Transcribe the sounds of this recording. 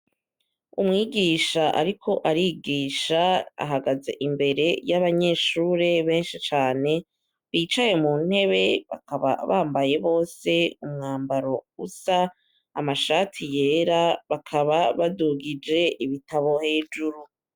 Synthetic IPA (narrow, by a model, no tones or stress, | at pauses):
umŋiːɡiːʃaʔa̰ɾikʰo̞ʔaɾiɡiːʃaa̰ɦaɡazeʔimbe̞ɾe̞jaβaɲe̞ːʃuːɾe̞βe̞ːnʃit͡ʃaːne̞ | βiːt͡ʃaje̞mun̥he̞βe̞βa̰kaβa̰βaːmbaje̞βo̞ːse̞umŋaːmbaɾo̞ɡusaː | maʃaːtʰije̞ːɾaβakʰaβaβaduɡid͡ʒe̞iβitaβo̞he̞ːd͡ʒuɾu